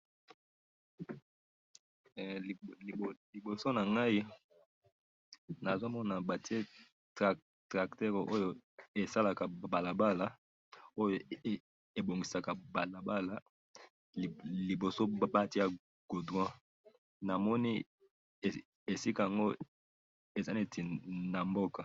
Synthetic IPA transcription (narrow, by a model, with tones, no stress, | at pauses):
li˨bo˨so˦na˨ŋɡa˦i˦ | na˨zo˦mɔ˦na˨ba˨ti˦e˦ | t | tʁa˨ktɛ˦ʁʔo˦jo˨e˨sa˦la˨ka˨ba˨la˨ba˦la˨ | o˦jo˨ | e˨bo˨ŋɡi˨sa˨ka˨ba˨la˨ba˦la˦˨ | li˨bo˨so˦ba˦ti˦a˦ | ɡ̥o˨dwã˦ | na˨mɔ˦ni˦˨ | e˨si˦ka˦˨ja˨ŋɡo˦ | e˨za˨li˦e˦˨ti˨na˨mbo˦ka˨